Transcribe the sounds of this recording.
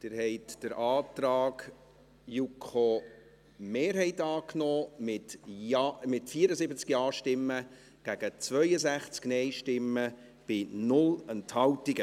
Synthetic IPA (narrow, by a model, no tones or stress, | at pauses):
d̥ɪːɾhɛɪtd̥əɾʔɑːtɾɑːɡ | jukʰχo | meːɾhɛɪtɑːknoːmɪtɑmɪtfiːəɾəsɪbət͡skjɑːʃtɪmːə | ɡ̥æɡ̥ət͡svœʏəzæχt͡sknɛɪʃtɪmːə | b̥ɪnʊlɛnthɑltɪɡə